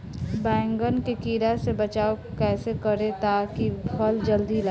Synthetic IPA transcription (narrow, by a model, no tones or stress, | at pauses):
bɛ̃ːŋɡənkekiːɾasebət͡ʃaːokɛːsekəɾet̪akipʰəld͡ʒəld̪ila